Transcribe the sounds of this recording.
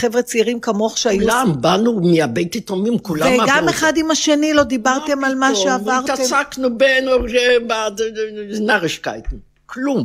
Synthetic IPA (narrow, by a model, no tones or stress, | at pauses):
χevʁet͡siʁimkamo̞χʃeajulambanumiabejt̪itomimkulaemaɡameχadimaʃe̞nilo̞d̪ibaʁte̞malmaʃeavaʁtaesaknubenoʃeba | naʁeʃka̰jt̪nu | klum